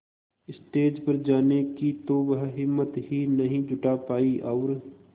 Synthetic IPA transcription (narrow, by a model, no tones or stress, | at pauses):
ɪsʈeːd͡ʒpɐɾd͡ʒaːnekit̪oʋəɦɦɪmːət̪ɦinɐɦĩd͡ʒʱʊʈapaːiʔɔːɾ